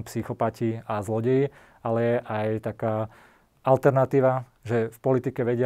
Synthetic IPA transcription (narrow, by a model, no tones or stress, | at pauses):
psixɔpaciazlɔɟɛji | alɛjɛʔajt̪akaː | alt̪ɛɾnat̪iːʋa | ʒɛfpɔlit̪ikɛʋɛɟɪ